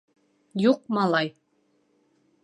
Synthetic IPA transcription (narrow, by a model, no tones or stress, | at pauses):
juq̚mɑlˠɑj